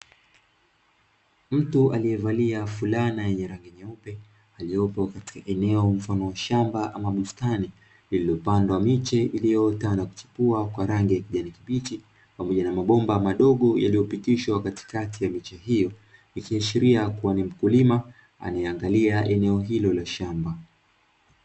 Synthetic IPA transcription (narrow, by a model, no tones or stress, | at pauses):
m̩tualijɛvaliafulanajɛɲɛɾaŋɡiɲaupɛ | alijɔpɔkati̥kaʔɛnɛɔɱ̩fanɔʃambaʔamaɓustani | lililɔpandwamit͡ʃɛʔilijɔtanaku̥t͡ʃi̥puakwaɾaŋɡijakiʄanikiɓiti | pamɔʄanamaɓɔmbamaɗɔɠɔja̰lijɔpitiʃwakati̥katʰijamit͡ʃɛɦijɔ | ikiaʃiɾiakuanim̩kulima | a̰najɛaŋɡaliaʔɛnɛɔɦilɔlaʃamba